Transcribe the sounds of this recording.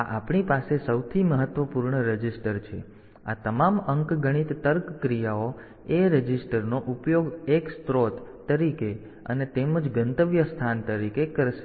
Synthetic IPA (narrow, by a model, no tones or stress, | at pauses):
aʔapɳipasesəwt̪ʰiməɦət̪ʋəpuɾɳəɾəd͡ʒisʈəɾt͡ʃʰḛ | a̰t̪əmaməŋkɡəɽ̃it̪ːəɾkːɾijao | eɾəd͡ʒisʈəɾnoʔupjoɡekst̪ɾot̪ː | əɾike | ə̰net̪eməd͡ʒɡənt̪əʋjəst̪ʰant̪əɾikekəɾʃe